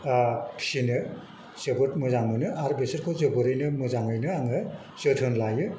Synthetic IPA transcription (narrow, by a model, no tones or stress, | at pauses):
pʰi̥sinɯ | zɯbotmuzaŋmɯnɯʔaɾbeseɾkʰozɯboɾɯjnɯmuzaŋɯjnɯaŋɯ | zɯtʰɯnlajɯ